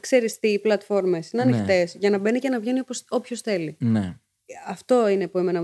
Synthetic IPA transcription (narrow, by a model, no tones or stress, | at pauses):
kse̞ɾist̪iːplɐt̪fo̞ɾme̞sineɐninxt̪e̞sʝɐnɐbe̞nicenɐvʝe̞nioposo̞pçosθe̞line | ɐft̪o̞ine̞puemenɐ